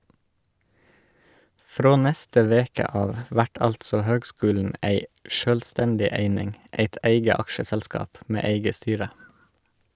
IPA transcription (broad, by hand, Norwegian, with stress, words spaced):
ˈfɾoː ˈnɛstə ˈʋeːkə ˈɑːʋ ˈʋæʈ ˈɑltsɔ ˈhøːɡˌskʉːln̩ ˈæɪ ˈʃøːlˌstɛndɪ ˈeɪnɪŋ ˈeɪt ˈeɪɡə ˈɑkʃəsɛlˌskɑːp ˈmeː ˈeɪɡə ˈstyːɾə